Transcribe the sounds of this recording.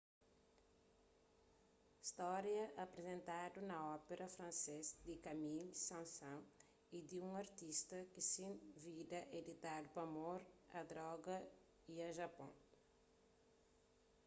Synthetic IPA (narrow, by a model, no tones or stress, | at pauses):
ist̪ɔɾjɐʔɐpɾezẽnt̪ad̪unɐɔpeɾʔɐfɾɐ̃nsezd̪ikɐmilsãsɐ̃ŋ | id̪iũŋɐɾt̪ist̪ɐkisĩvid̪ɐʔed̪it̪ad̪upɐmoɾɐd̪ɾɔɡɐ | iɐʒɐpõ̰